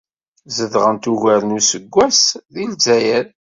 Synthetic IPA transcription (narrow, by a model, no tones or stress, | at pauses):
zəðʁənt̪uʝæɾənusəɡʷːæsðilzæjæl